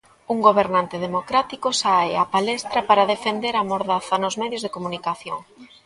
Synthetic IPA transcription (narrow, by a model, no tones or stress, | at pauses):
uŋɡoβ̞eɾnant̪eðemokɾat̪ikosaeapalɛst̪ɾɐpaɾaðefend̪eɾamoɾðaθɐnozmɛðjozðekomunikaθjoŋ